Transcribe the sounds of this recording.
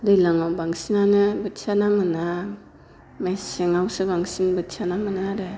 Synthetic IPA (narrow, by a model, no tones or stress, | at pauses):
dɯjlaŋawbaŋsinanɯbɯtsʰanamɯna | majsiŋawsɯbaŋsinbɯtsʰanamɯnaɾɯ